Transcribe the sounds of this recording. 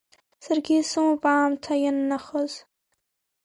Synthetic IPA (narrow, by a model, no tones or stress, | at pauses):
sarɡʲisɨmapʼaːmtʰajanːaχəz